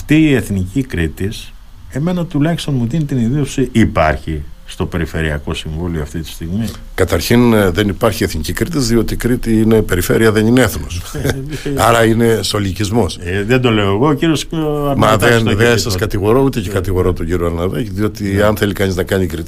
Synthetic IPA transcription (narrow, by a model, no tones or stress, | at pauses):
ft̪iːe̞θnicikɾit̪is | e̞me̞nɐt̪ulɐçist̪o̞nmuðinit̪iniðiosiipɐ̰ɾçist̪o̞pe̞ɾife̞ɾiɐko̞siɱvulioɐft̪it̪i̥st̪iɣmi | kɐt̪ɐɾçinðe̞nipɐɾçie̞θnicikɾit̪izðio̞t̪ikɾit̪iine̞pe̞ɾife̞ɾiɐðe̞nineeθnos | ɐɾɐine̞so̞licizmo̞sðend̪o̞le̞oeɣoociɾiosɐɾmnmɐðeniðeɐsɐskɐt̪iɣo̞ɾo̞ut̪ecekɐt̪iɣo̞ɾo̞t̪oɟiɾioɐɾnɐðecðio̞t̪iɐnθe̞likɐniznɐkɐnikɾit̪i